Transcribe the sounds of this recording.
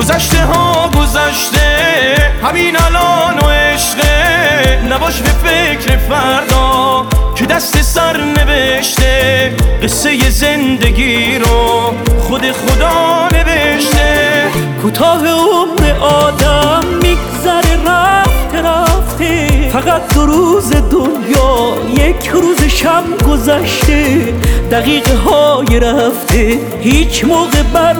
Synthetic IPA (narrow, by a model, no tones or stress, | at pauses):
ɡozæʃt̪e̞ɦɒːɡo̞zæʃt̪ehæmiːnælɔːnoeʃʁenæbɒːʃbe̞fecɾe̞fæɾd̪ɔːcʰe̞d̪æst̪e̞sæɾne̞ve̞ʃt̪eɢe̞sːe̞je̞ze̞nd̪eɡiɾoχod̪e̞χod̪ɒːne̞ve̞ʃt̪ekʰuːt̪ʰɒːɦeomɾe̞ʔɒːd̪æmːiɡzæɾeɾæft̪ʰeɾæft̪ʰefæɣæt̪̚d̪oɾuːzed̪onjɒː | jekʰɾuːzeʃæmɡozæʃt̪ʰe | d̪̥æɣiːɣeɦɒːjeɾæft̪ʰe | hiːt͡ʃʰmoːɣebæɾ